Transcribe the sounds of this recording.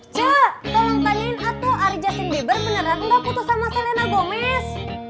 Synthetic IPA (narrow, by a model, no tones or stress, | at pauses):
t͡ʃət̪ɔlaŋt̪alinat̪oaɾid͡ʒasəndibərmənəɾanŋdaput̪ɔsamasalenaɡomɛs